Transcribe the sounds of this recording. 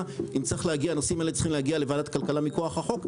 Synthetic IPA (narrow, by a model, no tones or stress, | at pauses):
imt͡sʁiχlehaɡianosimaelet͡ssi̥χimlehaɡialevaːdat̪kalkalamikoaχaχo̞k